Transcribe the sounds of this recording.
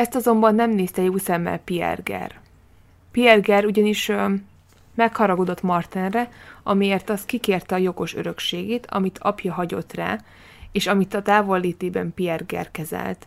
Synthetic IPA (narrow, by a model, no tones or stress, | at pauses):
ɛst̪ɒzo̞mbɒnːɛmneːst̪ɛjoːsɛmːɛ̰lpiɛ̰rɡɛ̰r | piɛrɡɛɾuɟɒniʃ | mɛkhɒɾɒɡod̪o̞t̪mɒrt̪ɛnrɛʔɒmijeːrt̪ɒst̪̚kikeːrt̪ɛɒjo̞ɡo̞ʃø̰ɾø̞kʃeːɡeːt̪ʰɒ̰mit̪ʰɒ̰pjɒɦɒɟo̞t̪ra̰ː | eːʃɒmit̪ɒt̪aːvo̞lːeːt̪eːbɛmpiɛrɡɛ̰rkɛzɛ̰lt̪